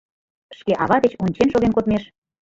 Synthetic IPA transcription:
ʃkeʔɑβɑd̪et͡ɕonʲt͡ɕenʃoɣenkot̪meʃ

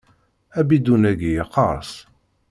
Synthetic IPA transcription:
æbid̪unæɡijqːɑɾˤs

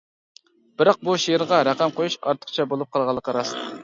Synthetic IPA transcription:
b̥ɪɾɑq̚buʃijɪɾʁɑɾæqæmqʰojuʃɑɾt̪ʰə̥qt͡ʃʰɛbolˠup̚qʰɑlˠʁɑlˠːəqəɾɑs

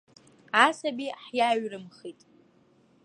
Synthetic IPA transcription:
asabiħjaɥrɨmχitʼ

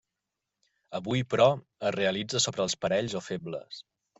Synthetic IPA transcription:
əβujpɾɔ | əzreəlid͡zəsoβɾəːlˠspəɾɛʎzofeblə̰s

